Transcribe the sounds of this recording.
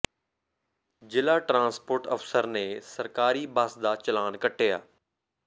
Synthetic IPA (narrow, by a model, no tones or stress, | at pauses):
d͡ʒɪlaːʈɾãːnspoːɾʈə̰fsəɾnesəɾkaːɾiːbaːsd̪aːt͡ʃəlaːnkəʈʰeja̰ː